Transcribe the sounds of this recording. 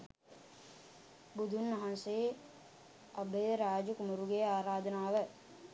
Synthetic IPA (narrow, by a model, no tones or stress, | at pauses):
bud̪ʱunːɐɦanseː | ɐbejɾaːd͡ʒukumuɾuɡeaːɾaːd̪ʱənaːʋə